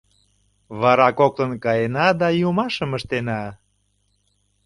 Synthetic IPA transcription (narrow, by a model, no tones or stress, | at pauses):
βɑɾɑkok̚t̪ənkɑjenɑd̪ɑjumɑʃəməʃt̪enɑ